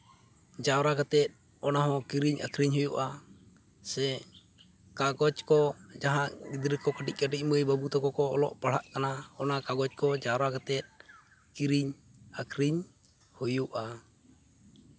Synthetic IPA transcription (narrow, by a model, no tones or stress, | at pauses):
d͡ʒawɾakat̪ɛt̪̚ | ɔnaɦɔkiɾiɲa̰kɾiɲhujuʔa | sɛ | kaɡɔt͡ʃkɔd͡ʒaɦaʔɡid̪ɾikɔkəʈiʔ̚kəʈiʔməjbabut̪ɔkɔkɔɔ̰lɔ̰ʔpaɽ̤aʔkanaɔnakaɡɔt͡ʃ̚kɔd͡ʒawɾakat̪ɛt̪̚ | kiɾiɲ | akɾiɲ | hujuʔa